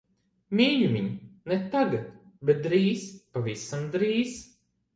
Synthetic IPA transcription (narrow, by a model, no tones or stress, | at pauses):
mʲiːɲʲumʲiɲʲnɛt̪aɡat̪bet̪̚d̪ɾiːspavisamd̪ɾiːz